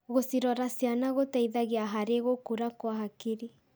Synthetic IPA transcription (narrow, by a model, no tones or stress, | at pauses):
ɣosiɾɔɾasianaɣotaiðaɣeaɦaɾeɣokuɾakwaɦakeɾi